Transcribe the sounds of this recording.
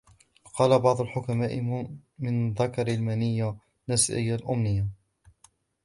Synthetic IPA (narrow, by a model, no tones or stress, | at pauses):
qɑːlabɑʕd̪ˤʊlħʊkamaːʔɪmɪnðakɑɾalmanɪjːa | nasʔɪ̰jːalʔʊmnɪjːa